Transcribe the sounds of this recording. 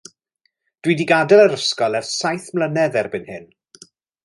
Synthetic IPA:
d̥widiɡadɛlˠəɾəskɔlˠɛrsajθmlənɛðɛrbɨnhɪn

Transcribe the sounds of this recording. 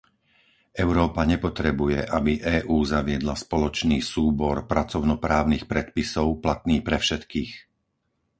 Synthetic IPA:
ʔɛʊɾɔːpaɲɛpɔt̪ɾɛbujɛʔabiʔɛːʔuːzaʋɪɛd̪laspɔlɔt͡ʃniːsuːbɔɾpɾat͡sɔʊnɔpɾaːʊniːxpɾɛt̪pisɔʊplat̪niːpɾɛfʃɛt̪kiːx

